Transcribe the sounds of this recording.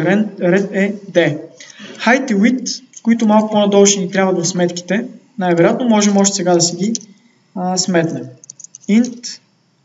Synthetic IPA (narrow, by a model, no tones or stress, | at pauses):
ɾɛɾɛt̪ɛd̪ɛ | xajt̪iwit̪koit̪ʊmalˠkʊponɐd̪ɔlʃɛnit̪ɾʲjabvɐd̪ɐsmɛt̪kʲi̥t̪ɛ | najvɛɾjat̪nomɔʒɛmɔʃ̬t̪ɛ̥sɛɡad̪ɐsɛɡʲi | əsmɛt̪nɛint̪